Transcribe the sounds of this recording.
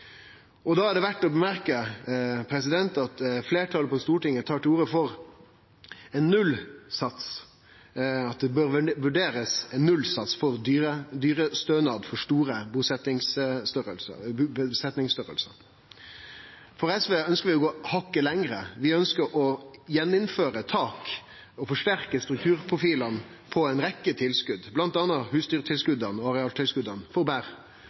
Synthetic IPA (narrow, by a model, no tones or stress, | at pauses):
ɔd̪ɑːæɖɛʋæʈːɔbəmæɾkəpʰɾɛsɪd̪ɛnt̪ɑt̪fleːʈʰɑləpʰɔst̪uːʈɪŋːət̪ʰɑːʈɪuːɾəfɔɾ | ɛnːʉlsɑt̪s | ɑt̪̚d̪ɛbøɾʋʉɖeːɾəsɛnːʉlːsɑt̪sfɔɾd̪yːɾəd̪yːɾəst̪øːnɑːd̪fɔʂʈuːɾəbusɛt̪ɪŋsst̪œɾəlsə̰sɛt̪nɪŋst̪œɾə̰lsə̰ɾ | fɔɾɛsʋeːœnskəʁʋɪɔɡoːhɑkːəlɛŋɾəʋɪœnskəɾɔjɛnːɪnføːɾət̪ʰɑːk | ɔfɔʂʈæɾkəst̪ɾʉk̚t̪ʰʉːɾpʰʁʊfiːlɑn | pʰɔæɪnɾɛkːət̪ʰɪlskʉd̪blɑnt̪ɑːnːəhʉːsd̪yːɾət̪ʰɪlskʉd̪ɑnɔɑʁɛɑːlt̪ʰɪlskʉd̪ɑnfɔbæʁ